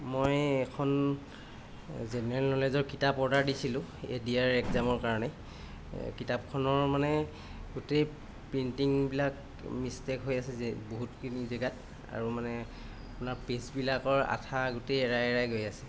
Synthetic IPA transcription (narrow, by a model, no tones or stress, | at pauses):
mojɛkʰɔn | zɛnɛɹɛlnɔlezɔɹkitapɔɹdaɹdisilʊ̃ḛdiaɹɛkzamɔɹkaɹɔnɛ | kitap̚kʰɔnɔɹmanɛ | ɡutej | pɹintiŋbilak | mistekɦojasɛɛboɦutkinizɛɡat | a̰ɹumanɛ | apʊnaɹpesbilakɔɹa̰tʰaɡutejɛɹajɛɹajɡojasɛ̥